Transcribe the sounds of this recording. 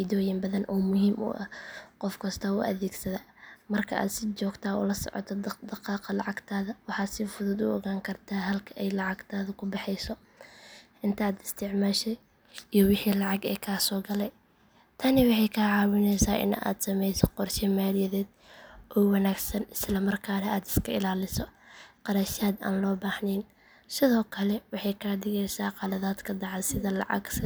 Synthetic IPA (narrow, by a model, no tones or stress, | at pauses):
id̪ɔːjɪmbɐðɐnʔɔːmʊhiːmʔʊ̰ʔɐqɔfkʰɐst̪ʰɐʊ̰ʔɐ̰ðɛːɡsɐðaː | mɐrkʰɐ̰ʔa̰ːd̪sɪt͡ʃɔːɡt̪ʰaːʊ̰lɐsɔ̰ʕɔ̰t̪ʰɔd̪ɑqɑːqɑlɑʕɑɡt̪ʰaːðɐwɑħɑːd̪sɪfʊðʊd̪ʊɔɣaːŋkʰɐrt̪ʰaːɦɐlkʰɐʔɛjlɑʕɑɡt̪ʰaːðɐkʰʊbɑħɛjsɔ | ʔɪnt̪ʰaːd̪ɪst̪ʰɪʕmaːʃɛ | ijɔwɪħiːlɑʕɑɡɛ̰ːkʰaːsɔːɡɐlɛj | t̪ʰɐnɪwɑħɑjkʰaːʕɑːwɪnɛjsaːʔɪ̰na̰ːd̪sɐmɛjsɔqɔrʃɪmaːlɪjɐðɛːd̪ | ʔɔːwɑnaːɡsɐnɪslɐmɐrkʰaːnɐaːd̪ɪ̥skʰɐɪ̰laːlɪsɔqɑɾɐʃaːd̪a̰ːnlɔːbaːhnɛːn | sɪðɔːkʰɐlɛwɑħɑjkʰaːd̪ɪɣɛjsaːqɑlɐðaːd̪kʰɐd̪ɑʕɑsɪðɐlɑ̰ʕɑ̰ɡs